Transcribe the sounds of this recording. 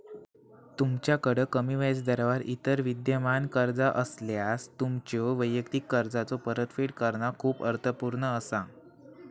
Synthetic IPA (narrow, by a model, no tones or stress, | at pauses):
t̪umt͡ɕjakəɽəkəmiːʋat͡sd̪əɾʋaɾʔit̪əɾʋid̪jəmankəɾd͡zaʔəsljast̪umt͡ɕjoʋəjjəkt̪ikːəɾd͡zat͡sopəɾət̪fiʈkəɾɳakʰuːpəɾt̪ʰəpuɾɳəːsa